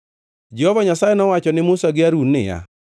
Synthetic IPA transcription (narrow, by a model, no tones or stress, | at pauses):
d͡ʒɛhɔvaɲasajɛnɔwat͡ʃɔnɪmʊsaɡɪaɾunːɪ̰ja̰